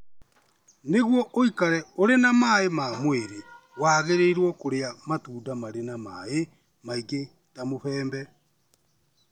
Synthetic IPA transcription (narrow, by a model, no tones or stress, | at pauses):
neɣwɔʔoikaɾɛoɾenamaːemamweɾe | waːɣeɾeiɾwɔkoɾeamatuːdamaɾenamae | maiɡe | tamoɸɛːmbɛ